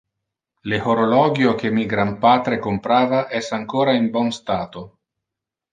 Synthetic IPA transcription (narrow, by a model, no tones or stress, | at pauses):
lehoɾolɔɡjokemiɡɾampaːt̪ɾekompɾaːvaʔɛsaŋkoːɾaimbɔnst̪aːt̪o